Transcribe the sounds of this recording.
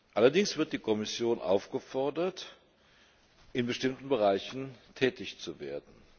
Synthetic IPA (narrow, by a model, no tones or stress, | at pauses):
ʔalɐdɪŋsv̥ɪɐt̚d̥iːkʰɔmɪsjoːnʔa̰ʊfɡ̥əfɔɐdɐt | ʔɪnbəʃtɪmtn̩bəʁ̞aɪçn̩tʰɛːtɪçt͡suvḛːɐdn̩